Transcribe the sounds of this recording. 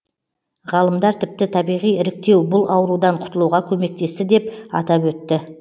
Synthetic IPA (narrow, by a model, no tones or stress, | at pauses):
ʁɑlˠəmd̪ɑɾt̪ʰɪp̚t̪ɪt̪ʰɑbijʁijɪɾɪk̚t̪e̞wbʊlˠʔɑwɾud̪ɑɴqʰʊ̥t̪əlˠuwʁɑkʲʰɵme̞k̚t̪e̞st̪ɪd̪e̞pɑ̰t̪ɑpwɵt̪ːɪ